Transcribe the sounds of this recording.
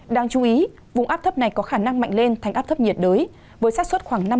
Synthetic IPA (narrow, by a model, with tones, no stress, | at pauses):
ɗaː˧ŋt͡ɕu˨˦ʔi˨˦ | vʊ˨˩ŋ͡mʔaː˦˥p̚t̪ʰp̚na˨˩jkɔ˨˦xaː˧˩na˧ŋma̰˧˨jŋ̟le˧nt̪ʰa˨˩ŋ̟ʔaː˦˥p̚t̪ʰə˦˥p̚ɲi˨˩ət̚ɗəː˨˦j | vəː˨˦jsaː˦˥swə˦˥t̚xwaː˧˩ŋna˧